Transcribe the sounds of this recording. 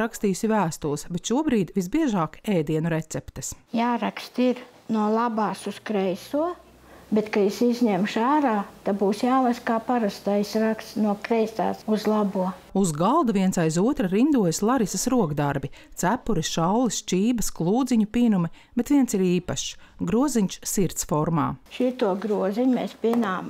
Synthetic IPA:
ɾakst̪iːusivæːst̪ulˠsbɛt̪ʃuɔbɾiːd̪vizbiɛʒaːkɛjd̪iɛnuɾet̪sɛpt̪ɐ̥sjaːɾakst̪iɾ | nuɔlˠabaːsuskɾɛjsuɔ | bet̪kajisizʲɲɛmʃaːɾaːt̪abuːsjaːlaskaːpaɾast̪aːisɾakst̪nuɔkɾɛjsa̰ːsuzlˠabuɔuzɡalˠd̪aviɛnsajzuɔt̪ɾɐɾind̪uɔjslˠaɾisɐsɾuɔkd̪aɾbit̪sæpːuɾisʃawlist͡ʃiːbɐsklˠuːd̪ziɲupiːnumib̥et̪ʋiɛnsiɾiːpɐʃɡɾuɔziɲʃsiɾt̪sfɔɾma̰ːʃit̪uɔɡɾuɔziɲʲmɛspʲiɛnaːm

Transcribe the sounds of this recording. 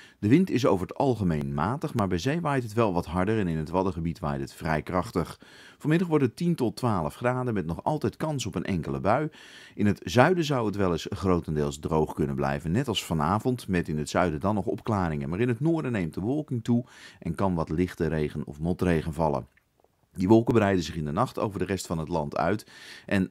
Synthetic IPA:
d̥əʋɪntɪs̬owvəɹətɑ̰lˠχəmejnmaːtəχmaːɹbɛjzejʋaːjtɦətʋɛlˠʋɑtɦɑɹdəɹɛnɪnɦətʋɑdəχəbitʋa̰ːjtɦətfrɛjkrɑχtəχ | fəoɹmɪdɑχʋɔɹtətintɔtʋaːləfχraːdəmɛtnɔχɑ̰lˠtɛjtkɑnsɔpənʔɛŋkələ̰bœɥ | ʔɪnɦətz̥œɥdəzɑwətʋɛlˠɪsχrowtəndɪːlˠzdrowχkɵnənblɛ̰jvənːɛtɑlˠsfɑna̰ːvɔntmɛtɪnətsœɥdədɑnːɔχɔpklaːɾɪŋənmaːɹɪnɦətnʊːɹdənejmt̚dəʋɔlˠkɪŋtuʔɛnkɑnʋɑtlɪχtəɾejχənɔ̰fmɔtrejχənvɑlˠə̰n | diʋɔlˠkəbərɛjdənzɪχɪndənɑχto̰wvəɹdərɛstfɑnɦətlɑntʰœ̰ɥtʔɛn

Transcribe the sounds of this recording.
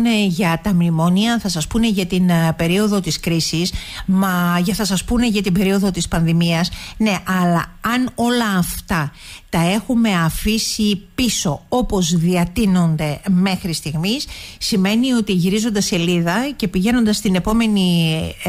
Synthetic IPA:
neʝɐt̪ɐmimo̞niɐθɐsɐspune̞ʝɐt̪inbe̞ɾio̞ðo̞t̪iskɾisismɐʝɐθɐsɐspune̞ʝɐt̪ibe̞ɾio̞ðo̞t̪ispɐnðimiɐsne̞ʔɐlɐːno̞lɐːft̪ɐ | t̪ɐe̞xume̞ɐfisipiso̞o̞po̞zðiɐt̪ino̞nd̪e̞me̞xɾist̪iɣmisːime̞nio̞t̪iʝiɾizo̞nd̪ɐse̞liðɐce̞piʝe̞no̞nd̪ɐst̪ine̞po̞me̞ni

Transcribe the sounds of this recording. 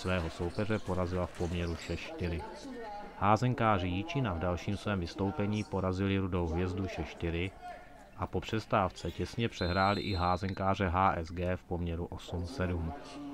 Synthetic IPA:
svɛːɦo̞so̞wpɛr̝ɛpo̞ɾazɪlafpo̞mɲɛɾuʃɛʃt̪ɪɾɪ | haːzɛŋkaːrɪjit͡ʃɪnavdalʃiːmsvɛːmvɪst̪o̞wpɛɲiːpo̞ɾazɪlɪɾudo̞wɦvjɛzduʃɛʃt̪ɪɾɪ | ʔapo̞pr̝̥ɛst̪aft͡sɛcɛsɲɛpr̝̥ɛɦɾaːlɪ̰ʔɪɦaːzɛŋkaːr̝ɛɦaːʔɛzɡɛːfpo̞mɲɛɾuʔo̞sumsɛdum

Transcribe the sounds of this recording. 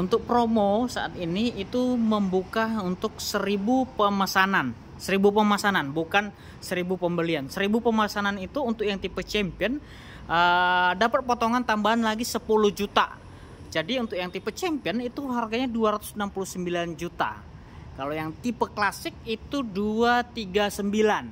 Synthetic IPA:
unt̪ʊk̚pɾomosaʔat̪iniːt̪uməmbukaunt̪ʊk̚səɾibupəmasanan | səɾibupəmasananbukan | səɾibupəmbəliansəɾibupəmasananit̪uːnt̪ʊk̚jaŋt̪ipət͡ʃɛmpiɔn | ʔədapət̪̚pot̪oŋant̪ambaɦanlaɡisəpuluhd͡ʒut̪a̰ | d͡ʒadiunt̪ʊk̚jaŋt̪ipət͡ʃɛmpiɔnit̪uɦarɡaɲaduaɾat̪ʊ̥snampuluhsəmbiland͡ʒut̪a̰ | kalojaŋt̪ipəklasɪk̚it̪uduat̪iɡasəmbilan

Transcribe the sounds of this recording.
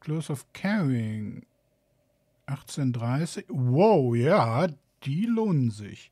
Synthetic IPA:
kl̥osɔfkʰɛʁɪŋ | ʔaχt͡sendʁaɪsɪçwoʊjaː | d̥iːloːnənzɪ̰ç

